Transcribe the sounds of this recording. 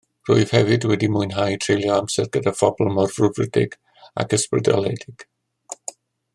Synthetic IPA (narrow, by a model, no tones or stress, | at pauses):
rʊ̰ɨð̥hɛvɨdwɛdimʊɨnɦajtʰrejlˠjɔamsɛrɡədafɔblˠmɔrrʊvrɪdɪ̰ɡ̥ | a̰kʰəsprɪda̰lˠɛdɪɡ̥